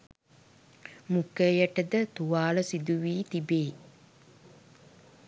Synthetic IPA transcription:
mukːəjɐʈəd̪ət̪uʋaːləsid̪uʋiːt̪ibeː

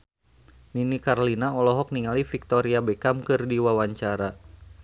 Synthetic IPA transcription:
ninikaɾlinaɔlɔɦɔk̚niŋalifik̚t̪ɔɾiabɛkamkɨrdiwawaɲt͡ʃaɾa

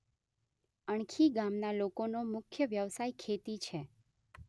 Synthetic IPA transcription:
əɳ̃kʰiɡamnalokonomʊkʰjəʋjəʋsajkʰet̪it͡ʃʰe

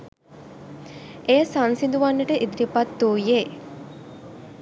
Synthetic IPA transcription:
ʔejəsansind̪uʋanːəʈəʔid̪iɾipat̪ːuːje

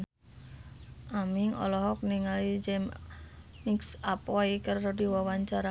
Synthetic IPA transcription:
ʔamiŋɔ̰lɔɦɔk̚niŋalid͡ʒɛm | miksapaikərɔdiwawaɲt͡ʃaɾa

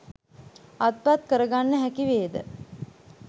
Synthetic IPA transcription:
at̪̚pat̪kəɾəɡanːəɦækiʋeːd̪ə̰

